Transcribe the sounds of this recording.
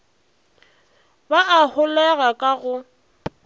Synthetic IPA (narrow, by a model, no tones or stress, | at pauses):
baʔahʊlɛɣakʼaɣʊ